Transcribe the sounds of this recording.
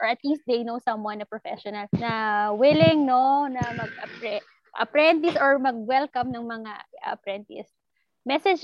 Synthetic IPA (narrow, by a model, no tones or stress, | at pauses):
ʔɔɹɐt̪list̪̚d̪ejnowsɐ̃mwɐ̃nɐpɹɔfɛʃɔnɐlnɐwɪlɪŋnonɐmɐɡ̚ɐpɛ | ʔɐ̰pɾɛnt̪̬ɪsɔɹmɐɡ̚wɛlkɐmnɐŋmɐŋaɐpɾɛnt̪ɪ̰s | mɛsɛd͡ʒ